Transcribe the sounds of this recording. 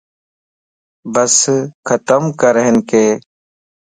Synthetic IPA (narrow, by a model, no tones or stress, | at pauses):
bəskʰət̪əmkəɾəɦɪnkeː